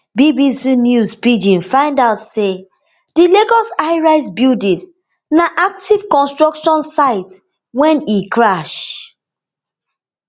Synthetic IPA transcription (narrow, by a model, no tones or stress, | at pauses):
bibisinjusbid͡ʒĩnfãɪ̃ndaʊtse | d̥ileɡɔsaɪɹaɪs̬bildĩn | naʔak̚tiv̥kɔ̃nstɹɔkʃɔ̃nsaɪt | wɛ̃nikɹaʃ